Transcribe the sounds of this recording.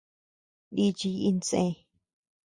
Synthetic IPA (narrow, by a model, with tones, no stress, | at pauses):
ɗi˦t͡ʃi˧ji˧nt͡sḛ̃˧